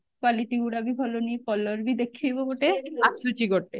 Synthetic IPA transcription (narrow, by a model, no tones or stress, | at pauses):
kwaliʈiɡuɽabibʱɔlonipɔlːoɾbid̪ekʰːiboboʈeasut͡ɕiɡoʈːe